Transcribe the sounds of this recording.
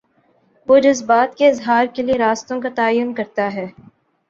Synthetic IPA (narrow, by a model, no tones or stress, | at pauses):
ʋoːd͡ʒɐzbaːt̪keɪzɦaːɾkelieɾaːst̪õkat̪aːjːʊnkɐɾt̪aɦɛː